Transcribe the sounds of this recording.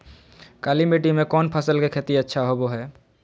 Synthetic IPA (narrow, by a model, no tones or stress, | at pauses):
kaːlimeːʈimẽkɔːnpʰəsəlkekʰeːt̪iətːʃʰaɦoboɦɛː